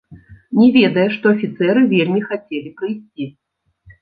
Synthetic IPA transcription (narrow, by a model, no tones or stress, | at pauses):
nʲɛvʲed̪ɐjɛʂt̪ɔɐfʲit̪sɛɾɨvʲelʲmʲixat͡sʲelʲipɾɐjsʲt͡sʲi